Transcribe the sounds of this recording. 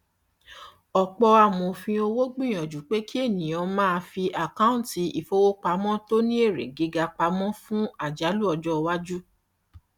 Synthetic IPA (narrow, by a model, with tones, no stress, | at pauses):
ɔ˨k͡pɔ˧a˨mõ˨fĩ˧o˧wo˦ɡ͡bĩ˦˨j̃ɔ̃˨d͡ʒu˨k͡pe˨˦ki˦e˦˨nĩ˨jɔ̃˨˧mãː˦˧fi˧ʔa˨ka˦ũ˦˨ti˨˦i˨fo˧wo˦k͡pa˧˦mɔ̃˦to˦nĩ˦e˦˨ɾḛ˨ɡi˨˧ɡa˧k͡pa˧˦mɔ̃˦fũ˦a˦˨d͡ʒa˨˦lu˦ɔ˧d͡ʒɔ˦˧wa˦d͡ʒu˦